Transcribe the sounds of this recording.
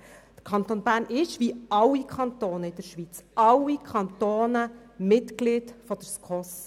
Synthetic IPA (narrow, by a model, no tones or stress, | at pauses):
d̥ə̥ɾkʰɑnt̪onb̥æːɾnɪʃʋiɑwːikʰχɑnt̪oːnəɪd̥̪əɾʃʋit͡sʔɑwikʰχɑnt̪oːnə | mɪtɡliːd̥fɔd̥̪əɾskʰɔs